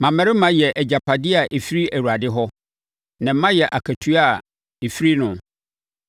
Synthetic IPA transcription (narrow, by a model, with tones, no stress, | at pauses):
mã˨mɛ̃˦ɾɪ˦mã˦jɛ˨ʔɛ˨d͡ʑa˨pʰa˨dɪ˦a˨ʔe˨fi˦ɾi˦æ˨wu˨a˨dɪ˦ɦɔ˦ | nã˨m̩˦mã˦jɛ˨ʔa˨kʰæ˨tʰu˦a˦˨ | e˨fi˦ɾi˦nʊ̃˨